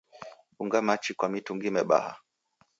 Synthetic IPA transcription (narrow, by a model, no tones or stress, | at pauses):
ɓuŋɡamat͡ʃikwamituŋɡimɛɓa̰ha̰